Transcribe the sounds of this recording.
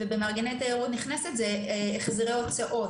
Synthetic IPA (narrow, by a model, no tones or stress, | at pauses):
vebemaʁɡenet̪ajeʁut̪niχnesetzeːχziʁeot͡saʔo̞t